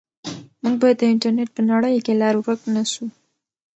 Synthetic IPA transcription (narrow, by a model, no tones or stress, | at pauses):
muŋɡ̚bɑjad̪ːəɪɳʈaɾneʈ̚pənaɽəjkelɑɾuɾəknaʃu